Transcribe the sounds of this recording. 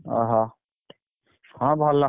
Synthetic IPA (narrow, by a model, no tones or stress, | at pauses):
a̰ɦã | ãbʱalːa